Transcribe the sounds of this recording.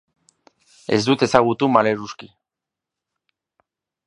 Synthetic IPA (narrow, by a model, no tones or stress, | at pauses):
e̞̰zd̪ut̪e̞saɣ̞ut̪umale̞ɾuski